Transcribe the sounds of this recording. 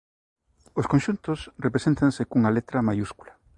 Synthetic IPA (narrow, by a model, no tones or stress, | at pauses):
oskõnʃunt̪osrepɾesẽnt̪ɐnsekuŋɐlet̪ɾɐmajuskula